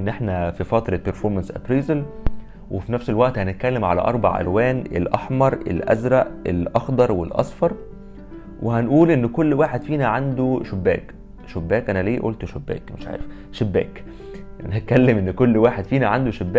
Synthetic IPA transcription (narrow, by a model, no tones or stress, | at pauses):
nːʔeħnæfifɑt̪ɾˤɑpeɾfoɾmænsʔæ̰pɾiːzel | wefinæfselwæʔt̪hænet̪̚kælːemʕalæ̰ʔɑɾˤbɑ̰ʕʔæ̰lwæːnḛlʔɑħmɑɾˤʔḛlʔæ̰zɾˤæʔḛlʔɑxd̪ɑɾˤwḛlʔɑ̰sˤfɑɾˤ | wʔehænʔuːlʔenːkolːwaːħed̪fiːnæʕand̪oʃobːæ̰ːk | ʃobːæːkʔænæliːʔo̰ːlt̪ʃobːæ̰ːkmḛʃʕa̰ːɾef | ʃebːæ̰ːk | ʔænæhæt̪̚kælːemʔenːkolːwaːħed̪fiːnæʕand̪oʃebːæːk